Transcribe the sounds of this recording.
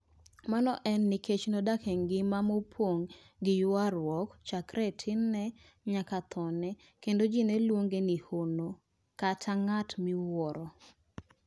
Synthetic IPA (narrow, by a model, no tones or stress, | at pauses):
manɔʔɛnːɪket͡ʃnodakʰɛŋɡɪmamopʰwoŋ | ɡɪjʊaɾwɔkt͡ʃakɾʔɛtʰɪnːɛ | ɲakat̪ʰɔnɛ | kendod͡ʒinɛlwoŋɡenihono | katʰaŋatmɪwɔɾɔ